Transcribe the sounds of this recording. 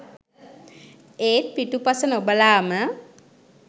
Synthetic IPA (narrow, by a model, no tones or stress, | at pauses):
eːt̪̚piʈupasənobəlaːmə